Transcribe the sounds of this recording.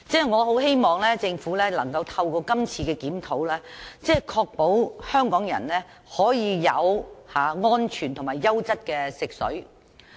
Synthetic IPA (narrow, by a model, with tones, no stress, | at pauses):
t͡sɛː˥˩ŋɔː˨˧ɦo˨˥whe˥jmɔː˨˩ŋlɛː˥t͡sɪ˧ŋfuː˨˥lɛː˥lɐ̰˨˩ŋkɐ˧wt̪ʰɐ˧wkɔː˧kɐ˥mt͡sʰiː˧kɛː˧kiː˨˥mt̪ʰo˨˥wlɛː˥t͡sɛː˥˩kʰɔː˧k̚po˨˥whœː˥ŋkɔː˨˥ŋjɐ̰˨˩nlɛː˥ | hɔː˨˥jiː˨˧jɐ̰˨˧whaː˨˧ŋɔː˥nt͡ʃʰyː˨˩nt̪ʰʊ˨˩ŋmaː˨˩jːɐ˥wt͡sɐ˥t̚kɛː˧sɪ˨k̚sɵ̰˨˥ɥ